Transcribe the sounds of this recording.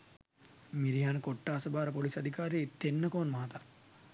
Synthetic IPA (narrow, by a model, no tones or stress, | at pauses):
miɾiɦaːnəkoʈːaːsəbaːɾəpolisɐd̪ʱikaːɾijeit̪ːenːəkoːnmɐɦat̪a